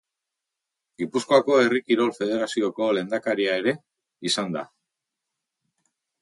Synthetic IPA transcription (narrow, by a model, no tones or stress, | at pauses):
ɡipusko̞ako̞e̞rikiɾo̞lfe̞ð̞e̞ɾasio̞ko̞le̞nd̪akaɾiae̞ɾe̞ | isand̪a̰